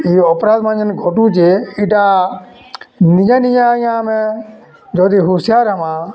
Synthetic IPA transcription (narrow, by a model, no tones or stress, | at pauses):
iːɔpɾaːd̪mãːd͡ʒənɡʱɔʈũt͡ʃeiʈa | nid͡ʒãːnid͡ʒãjãmẽ | d͡ʒoːd̪iɦusjaːɾɐmã